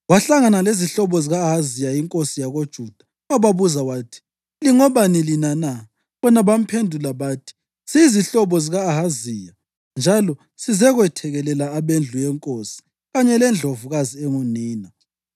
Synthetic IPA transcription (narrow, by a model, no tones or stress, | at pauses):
waɬaŋanaleziɬɔβɔziɣaːɦazijajiŋkʼosijaɣod̥ʒ̥ʱuːd̥ʱḁ | aβaβuzawaːtʰi̥ | liŋɔβanilinana | βɔnaβam̩pʰendʱulaβaːtʰi̥ | siːziɬɔβɔziɣaːɦaziːja | nd͡ʒʱalɔ | sizɛɣwɛtʰɛɣɛlɛlaːβend͡ɮʱujɛŋkʼosi̥ | ɣaɲɛlɛnd͡ɮʱovuɣaziɛŋoniːna